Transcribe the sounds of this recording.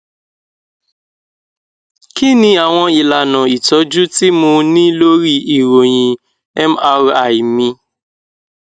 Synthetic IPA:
ki˦nĩ˧a˨w̃ɔ̃˧i˨la˨nã˨i˨tɔ˨˦d͡ʒu˦ti˦mũ˧nĩ˦lo˦ɾi˦i˨ɾo˨j̃ĩ˧ | ɛ˦ma˧ɾa˨i˨mĩ˧

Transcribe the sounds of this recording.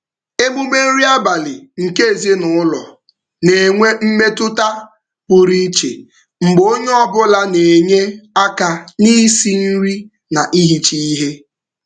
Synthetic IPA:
e˦mu˦me˦n̩˦ɾi˦a˦ba˨lɪ˨ŋ̩˨ke˦e˨ze˦nʊ˨ʊ˦lɔ̰˨ | ne˨ŋʷe˦m̩˦me˦tʊ˦ta˦ | pʊ˨ɾi˦t͡ʃḛ˨ | ŋ͡m̩˨ɡ͡bo˦ɲe˦ɔ˦bʊ˦la˦ne˨ɲe˦a˦ka˦ni˦si˦n̩˦ɾi˦ | na˨ʔi˦ɦi˦t͡ʃi˦i˦ɦe˦

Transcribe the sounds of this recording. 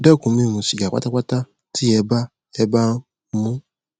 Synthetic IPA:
dɛ˦˨kũ˨˦mĩ˦˨nũ˧ʃi˨ɡa˨k͡pa̰˦ta˦k͡pa˦ta˦ | tʰi˦ɛ˧˦ba˦ | ɛ˧˦ba˦n˦ | mũ˦

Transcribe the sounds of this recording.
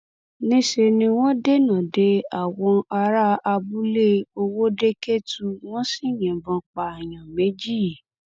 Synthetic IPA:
nĩ˦ʃe˧nĩ˧w̃ɔ̃˦de˦nã˨de˨˦a˦˨wɔ̃˧a˧ɾa˦a˧bu˦le˦o˧wo˦de˦ke˦tu˧w̃ɔ̃˦si˦˨jɛ̃˨bɔ̃˧k͡pa˨j̃ã˨me˨˦d͡ʒi˦

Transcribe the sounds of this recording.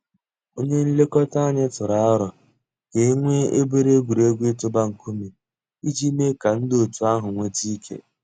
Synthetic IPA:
o˦ɲe˦n̩˦le˦kɔ˦ta˦a˦˨ɲɪ˦tʊ˨ɾa˨˦ɾɔ˨ | ke˨˦ŋʷe˦e˦be˦ɾe˦ɡʷu˨ɾe˦ɡʷe˦tʊ˦ba˦ŋ̩˨ku˦mi˨ | i˦d͡ʒi˦me˦ka˨n̩˦do˨tu˨a˦ɦʊ˨ŋʷe˦ti˦kʰḛ˦

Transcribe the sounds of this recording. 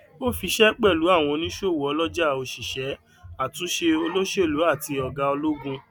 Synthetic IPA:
o˦fi˧ʃɛ˦k͡pɛ˦˨lu˨˦a˦˨w̃ɔ̃˧nĩ˦ʃo˦˨wɔ˨˦lɔ˦d͡ʒa˦˨o˧ʃi˨ʃɛ˨˦ | a˦˨tũ˨˦ʃe˧o˧lo˦ʃe˦˨lu˨˦a˦˨ti˧ɔ˧ɡa˧o˧lo˦ɡũ˦˧

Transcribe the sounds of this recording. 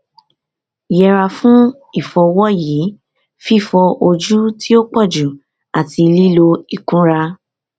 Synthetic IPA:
jɛ˧ɾa˧fũ˦ | i˦˨fɔ˧wɔ˦jiː˨˦ | fi˦˨fɔ˧ʔo˧d͡ʒu˦ti˦o˦k͡pɔ˦˨d͡ʒu˨ | a˨ti˧li˦lo˧i˨kũ˦ɾa˧

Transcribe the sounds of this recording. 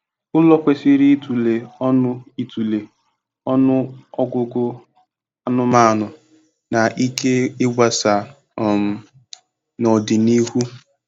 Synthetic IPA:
ʊ˦lɔ˦kʷe˦sɪ˦ɾi˦tu˨le˨ɔ˦nʊ˦i˨tu˨le˨ | ɔ˦nʊ˦ɔ˦ɡʊ˦ɡʊ˦ | a˦nʊ˦ma˦˨nʊ˨ | na˨ʔi˦ke˦ɪ˦ɡʷa˨sa˨˦˨ | m̩˨ | nɔ˨dɪ˨ni˦ɦu˦

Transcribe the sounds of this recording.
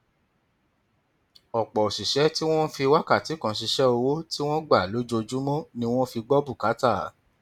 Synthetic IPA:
ɔ˨k͡pɔ˨o˨ʃi˨ʃɛ˨˦ti˦w̃ɔ̃˦fi˧wa˦ka˦˨ti˨˦kã˧ʃ̬i˧ʃɛ˦o˧wo˦ti˦w̃ɔ̃˦ɡ͡ba˦˨lo˨˦d͡ʒo˧d͡ʒu˦mɔ̃˦nĩ˦w̃ɔ̃˦fi˧ɡ͡bɔ˦bu˦˨ka˨˦ta˦˨˦

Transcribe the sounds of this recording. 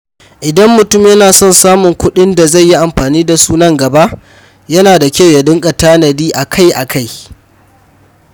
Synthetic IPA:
ʔɪ˨dɐ˦mːʊ˨tʊ˦˨mjɐ˦naː˨sɔ˦˨nsaː˦mʊ˨ŋkʷʊ˦ɗɪ˦nda˨za˦˨jːi˦ʔa˨mɸaː˨niː˦da˨suː˦nɐ˦ŋɡɐ˨ba˦ʔ | jɐ˦naː˨da˨kʲa˦wja˨dɪ˦ŋkʼɐ˨taː˦nɐ˨diː˦ʔa˨kʰa˦˨jʔa̰˨kʰa˦˨j

